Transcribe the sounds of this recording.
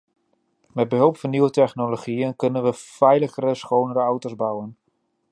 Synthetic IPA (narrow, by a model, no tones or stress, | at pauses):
mɛt̚bəɦɵlˠpfɔnːiwətɛxnoloχiənkɵnənʋəfɛjləɣəɾəsxownəɾəawtozbawən